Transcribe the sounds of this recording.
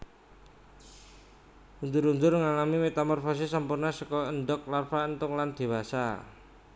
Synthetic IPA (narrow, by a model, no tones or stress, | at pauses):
und͡ʒʊɾund͡ʒʊrŋalamimet̪amɔrfɔs̬isəmpʊrnasəkɔənɖɔk̚larfaənt̪ʊŋland̪̥e̤wasa̰